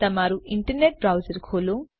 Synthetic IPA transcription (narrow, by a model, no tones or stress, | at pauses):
t̪ɐmaːɾuʔiɳʈɐɾneʈ̚bɾɐwd͡ʒɐɾkʰoːlu